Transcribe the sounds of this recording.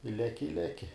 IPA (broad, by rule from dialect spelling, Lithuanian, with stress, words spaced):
ɪ ˈlʲæːkʲɪ ɪ ˈlʲæːkʲɪ